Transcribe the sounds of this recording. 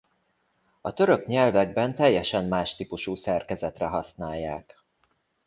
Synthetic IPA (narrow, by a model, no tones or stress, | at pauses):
ɒt̪ø̞ɾø̞kɲɛlvɛɡ̚bɛnt̪ɛjːɛʃɛmːaːʃt̪iːpuʃuːsɛrkɛzɛt̪rɛɦɒsnaːjːaːk